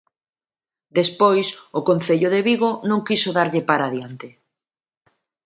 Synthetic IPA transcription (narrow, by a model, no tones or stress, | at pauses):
d̪espojsʊkonθeʎʊðeβiɣonõŋkisoðaɾʎɪpaɾaðjant̪ɪ